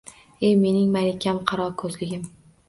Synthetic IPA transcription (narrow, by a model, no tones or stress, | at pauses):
e̞jme̞nɪŋmalekʲːamqʰɑɾɒɾkʰɵzlɪɡʲɪm